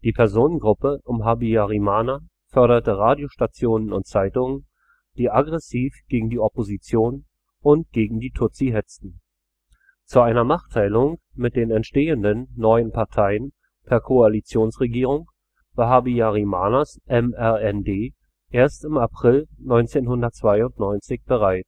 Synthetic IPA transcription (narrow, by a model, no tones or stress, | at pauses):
d̥iːpʰɛɐzoːnənɡʁʊpəʔʊmɦabiaʁimaːna | fœɐɾɐtəʁaːdjoʃtat͡sjoːnənʊ̰nt̚t͡saɪtʊŋən | d̥iːʔaɡʁɛsiːfɡ̥eːɡŋ̩diːɔpozit͡sjoːn | ʊnt̚ɡ̥eːɡŋ̩diːtʰʊt͡siɦɛt͡stn̩ | t͡suʔaɪnɐnaːχtʰaɪlʊŋmɪt̚d̥eːnɛntʃteːəndənːɔʏənpʰaɐtʰaɪən | pʰɛːɐkʰoalit͡sjoːnsʁeɡiːʁ̞ʊŋ | v̥aɦabiaʁimaːnasʔɛmɛʁɛndeː | ʔeːɐstɪmapʁ̥ɪlnɔʏnt͡seːnɦʊndɐtt͡sv̥aɪʊntnɔʏnt͡sɪçb̥əʁaɪt